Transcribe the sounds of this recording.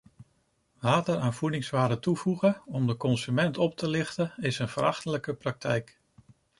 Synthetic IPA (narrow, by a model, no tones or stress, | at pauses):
ʋaːtəɾaːnvudɪŋsʋaːdətuvuχəɔmdəkɔnsymɛntɔp̚tʰəlɪχtəɪsənv̥əɾɑχtələkəprɑk̚tʰɛjk